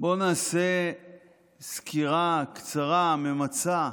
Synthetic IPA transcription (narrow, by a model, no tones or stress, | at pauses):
bo̞naːse | skiʁakt͡saʁamemat͡sa